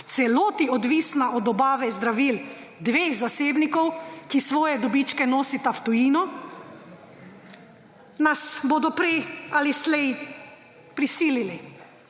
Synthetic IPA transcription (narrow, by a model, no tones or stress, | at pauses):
t̪sɛloːt̪iɔd̪ʋisnaʔɔd̪ɔbaːʋɛzd̪ɾaʋiːl | d̪ʋeːxzaseːbnikɔwkisʋɔːjɛd̪ɔbit͡ʃkɛnoːsit̪aft̪ɔiːnɔ | nasboːd̪ɔpɾɛjalislɛj | pɾisiːlili